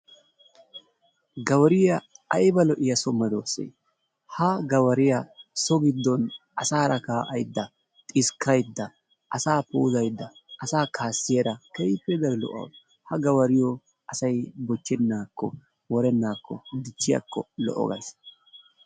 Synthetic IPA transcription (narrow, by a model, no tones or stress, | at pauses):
ɡɐwɐɾɪjɐɐjbɐlɔʔɪjɐsɔmːɐd̪oːsḛj | hɐɡɐwɐɾɪjɐsɔɡɪd̪ːɔnʔɐsaːɾɐkaːʔɐjd̪ːɐ | t̪ʼɪskʰːɐjd̪ːɐ | ʔɐsaːpɛʊzɐjd̪ːɐːsaːkʰaːsːɪjɐɾɐkɛjpːɛd̪ɐɾɛlɔ̰ʔɐ̰wd | hɐɡɐwɐɾɪjɔ | ʔɐsɐjbɔt͡ʃːɛnːaːkːɔ | wɔɾɛnːaːkːɔ̰d̪ɪt͡ʃːɪjɐ̰kʰːɔlɔ̰ʔɔ̰ɡɐ̰s